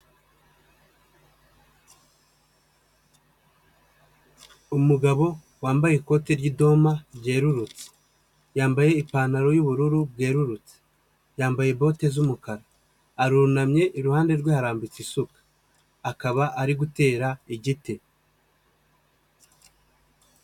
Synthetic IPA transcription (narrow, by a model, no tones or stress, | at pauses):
umuɡaβo̞ | waːmbajeko̞te̞ɾɟido̞maɾɟe̞ːɾuɾut͡se̥ | jaːmbaje̞ipaːnaɾo̞juβuɾuɾubɡe̞ːɾuɾut͡se̥ | jaːmbajebo̞ːte̞zumukaɾaː | ɾuɾunamɲe̞ʔiɾuhaːnde̞ɾɡwehaɾaːmbit͡sisukḁː | kaβaʔaɾiɡute̞ːɾaiɟite